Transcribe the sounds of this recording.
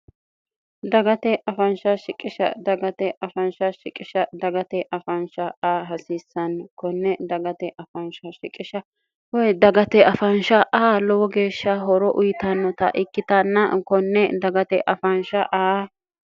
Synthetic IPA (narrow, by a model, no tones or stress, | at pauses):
d̪ɐɡɐt̪ɛʔɐfɐnʃɐʃɪkʼːɪʃɐ̰d̪ɐɡɐt̪ɛʔɐfɐnʃɐʃɪkʼːɪʃɐd̪ɐɡɐt̪ɛʔɐfɐnʃɐaːɦɐsisːɐnkɔnːɛd̪ɐɡɐt̪ɛʔɐfɐnʃɐʃɪkʼːɪʃɐ | wɔjd̪ɐɡɐt̪ɛʔɐfɐnʃɐʔaːlɔwɔɡe̞ːʃːɐɦɔɾɔʔʊjɪt̪ɐnːɔt̪ɐ̰ʔɪkːɪt̪ɐnːɐkɔnːɛd̪ɐɡɐt̪ɛʔɐfɐnʃɐʔaː